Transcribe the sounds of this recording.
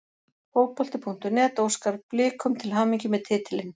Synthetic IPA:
hoːwpʰɔlt̪ɪpʰuŋ̥t̪ʏnɛːt̪owskaɾplɪːkʏmt̪ʰɪlɦawmiɲcɪmɛðt̪ʰɪːt̪ʰɪlɪn

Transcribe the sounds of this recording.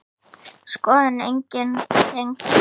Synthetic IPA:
skɔːðanḛjɲcɪnseŋk

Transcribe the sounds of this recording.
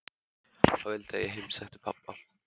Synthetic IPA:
θaːvɪlt̪ajɛɦejmsɛxt̪ɪ̥pʰapːal̥

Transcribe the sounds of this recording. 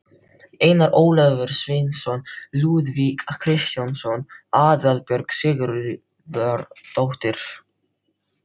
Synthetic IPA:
eːjnaɾʔoːwlɛvɛɾ̥svɪnsɔnluːðvikakʰɾɪst̪jansɔnaːðalpjœɾksɪːɣʏɾ | ɾt̪awht̪ɪɾ̥

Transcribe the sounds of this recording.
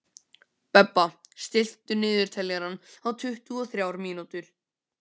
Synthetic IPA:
pɛpːast̪ɪl̥t̪ʏnɪːðʏɾ̥t̪ʰɛlːɛɣɾanːaðt̪ʰʏht̪ʏɔθɾjawɾmiːnut̪ʏɾ̥

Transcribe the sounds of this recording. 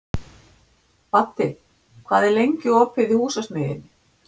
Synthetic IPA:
fat̪ːɪ | kʰvaːðɛɾlejɲcʏɔphɪðɪhuːsasmɪːðɪ̰nːɪ

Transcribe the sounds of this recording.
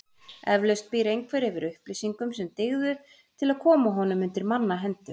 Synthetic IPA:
ɛvlœst̪̚piɾejŋkʰvɛɾɪvɪɾʏhplisiŋkʏmsɛmt̪ɪɣðʏ | t̪ʰɪlaðkʰɔːmaɦɔnʏmʏnt̪ɪɾmanːaɦɛnt̪ʏ

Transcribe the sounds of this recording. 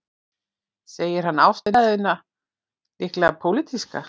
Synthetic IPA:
seːjɪɾ̥hanːawst̪ɪðɪnːa | lɪhklɛɣapʰowlit̪iska̰

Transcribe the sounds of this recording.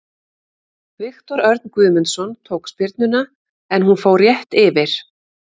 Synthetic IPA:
vɪxt̪ɔɾœɾt̪nkʏːðmɪnsɔnt̪ʰoːwkspjɪɾt̪nʏna | ɛnhunfoːwɾjɛht̪ɪvɪɾ̥

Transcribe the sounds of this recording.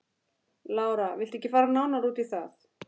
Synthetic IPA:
laːwɾavɪlt̪ɛhcːɪfaːɾanawnaɾuːt̪iθaθ

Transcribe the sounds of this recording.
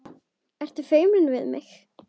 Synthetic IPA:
ɛr̥t̪ʏ̥feːjmɾɪnvɪðmɪ̰x

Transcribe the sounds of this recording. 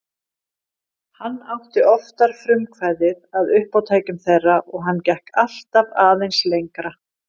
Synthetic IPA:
hanːawht̪ɪʔɔft̪aɾ̥fɾʏmkʰvaːjðɪðaðʏhpawt̪ʰaːjcʏmθejrːaʔɔɣɦanːcɛhkal̥t̪avaːðejnslejŋkɾa

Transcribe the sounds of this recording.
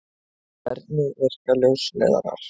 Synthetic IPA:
ɛ̰ɾt̪̚nɪvɛr̥kaljowslɛ̰ːða̰ɾa̰ɾ̥

